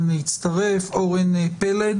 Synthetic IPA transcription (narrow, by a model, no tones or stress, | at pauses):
nit͡st̪aʁefoʁenepeled